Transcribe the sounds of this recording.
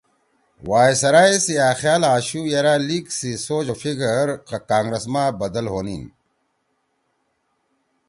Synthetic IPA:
waːjsɐɾaːesijaːxjaːlaːɕujɐɾaliːksisoːd͡ʑofiɡɐɾqɐkaːŋɡɾɐsmaːbɐd̪ɐlɦoːnin

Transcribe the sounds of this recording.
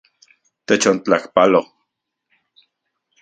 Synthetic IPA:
t̪et͡ʃont͡ɬakpalo

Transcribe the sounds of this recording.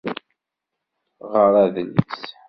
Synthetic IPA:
ʁəɾˤæðəls

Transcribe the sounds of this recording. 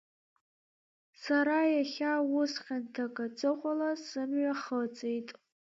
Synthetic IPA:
saɾajaχʲawʊsχʲantʰakʼat͡sʼɨqʷʼalasɨmɥaχət͡sʼejtʼ

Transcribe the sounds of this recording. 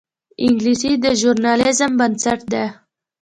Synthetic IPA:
iŋɡlisid̪əʒuɾnaːlɪzəmbənsəʈ̚d̪ɛ

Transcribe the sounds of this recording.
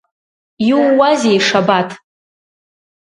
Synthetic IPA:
juwːazejʂabatʰʼ

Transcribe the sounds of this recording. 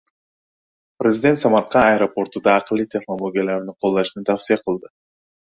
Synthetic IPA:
prʲɪzʲɪd̪ʲe̞nt̪sɑmɑt̪̚qɑɐɾopo̞ɾt̪ud̪ɑːqlˠit̪ʰʲe̞χnolˠoɡʲijalˠɑɾniɴqʰolˠd̪ɑʃɯnɯnt̪ʰafsijɑqʰɯlˠd̪ɯ

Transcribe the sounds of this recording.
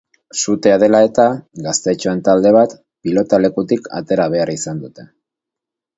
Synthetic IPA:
sut̪e̞að̞e̞lae̞t̪aɡast̪e̞t͡ʃoe̞nt̪ald̪e̞β̞at̪ | pilo̞t̪ale̞kut̪ikʰa̰t̪e̞ɾaβ̞e̞aɾisand̪ut̪e̞̥

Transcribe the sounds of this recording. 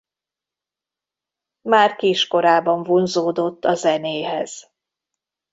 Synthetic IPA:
maːrkiːʃko̞ɾaːbɒɱvonzoːd̪o̞t̪ːɒzɛneːɦɛz̥

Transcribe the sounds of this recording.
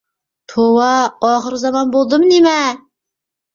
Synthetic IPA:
t̪ʰowɑɑχəɾzɑmɑnbolˠd̪ɨmnemɛ

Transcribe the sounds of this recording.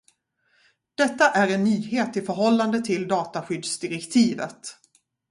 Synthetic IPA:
d̪̥ɛt̪ːaʔæɾɛnːyːheːt̪ɪfœɾɦɔlːand̪ət̪ʰɪld̪ɑːt̪aɧʏd̪sd̪ɪɾɛkt̪ʰiːvə̰t̪

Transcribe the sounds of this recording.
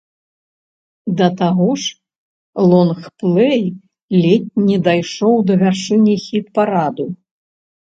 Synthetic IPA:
d̪ɐt̪aɣɔʂ | lˠɔnxplˠɛj | lʲɛt̚ʲnʲɛd̪ajʂɔwd̪ɐvʲarʂɨnʲixʲit̪paɾad̪u

